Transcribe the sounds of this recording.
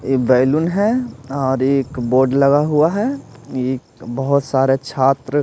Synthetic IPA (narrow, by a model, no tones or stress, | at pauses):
ebɛːɪlʊnɦɛɔːɾeːkboːɾɖlɐɡaɦuaɦɛeːkbəɦʊt̪saːɾet͡ʃʰaːt̪ɾə